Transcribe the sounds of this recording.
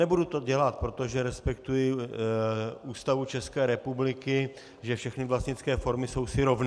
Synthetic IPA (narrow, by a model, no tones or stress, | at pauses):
nɛbudut̪o̞ɟɛlat̪̚pɾo̞t̪o̞ʒɛɾɛspɛk̚t̪ujɪ | ʔuːst̪avut͡ʃɛskɛːɾɛpublɪkɪ | ʒɛfʃɛxnɪvlast̪ɲɪt͡skɛːfo̞ɾmɪso̞wsɪɾo̞vn